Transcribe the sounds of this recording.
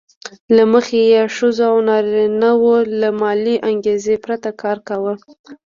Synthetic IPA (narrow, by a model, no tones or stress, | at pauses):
laməxejeʃəzoawnɑɾnawolamɑliʔaŋɡezepɾat̪akɑɾkawə